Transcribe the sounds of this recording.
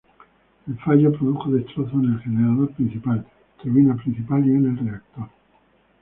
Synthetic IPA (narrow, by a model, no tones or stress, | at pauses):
elfaʝopɾoðuxoðest̪ɾoθonelxeneɾaðo̞ɾpɾin̟θipal | t̪uɾβinapɾin̟θipaliene̞lreak̚t̪oɾ